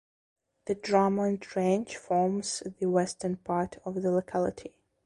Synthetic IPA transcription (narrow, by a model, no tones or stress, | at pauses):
ðɨdɹɑmə̃ntʰɹẽnd͡ʒfɔɹmz̥ðɨwɛstə̃˞npʰɑɹtʰɔvðəlokʰalˠətʰi